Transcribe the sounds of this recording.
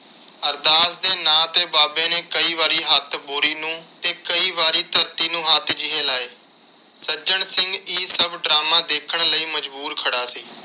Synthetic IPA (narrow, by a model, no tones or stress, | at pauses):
əɾd̪aːsd̪eːnãːt̪eːbaːbẽːneːkəiːʋaːɾiːɦət̪ʰboːɾiːnũːt̪eːkəiːʋaːɾiːt̪əɾt̪iːnũːɦaːt̪ʰd͡ʒɪɦẽːlaːeː | səd͡ʒəɳsɪŋɡiːsəbɖɾaːmãːd̪eːkʰəɳləiːməd͡ʒbuːɾkʰəɽaːsiː